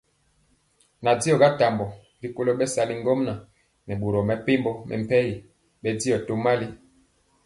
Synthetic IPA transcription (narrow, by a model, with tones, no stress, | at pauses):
na˨di˦ɔ˨ɡa˦ta˨mbɔ˨ | li˨ko˦lo˦ɓɛ˦sa˨li˦ŋ˦ɡo˦mna˨ | nɛ˨ɓo˨ɾɔ˨mɛ˨pe˦mbɔ˦mʔɛ̰˨m̩˨pɛ˦ji˨ | bɛ˦di˦ɔ˨to˦ma˦li˦